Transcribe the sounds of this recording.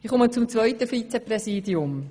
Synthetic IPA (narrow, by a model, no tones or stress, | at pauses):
ɪχʊmət͡sʊmt͡svœʏtəfit͡sɛprɛsiːdiʊm